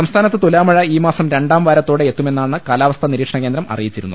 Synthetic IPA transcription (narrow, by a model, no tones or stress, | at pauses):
sɐmst̪ʰaːnɐt̪ːɨt̪ulaːmɐɻɐiːmaːsɐmɾe̞ɳɖaːmʋɐɾɐt̪ːo̞ːɽeet̪ːume̞nːaːɳɨkaːlaːʋɐst̪ʰɐniɾiːkʂɐɳɐkend̪ɾɐmɐ̰rijit͡ɕːiɾunːṵ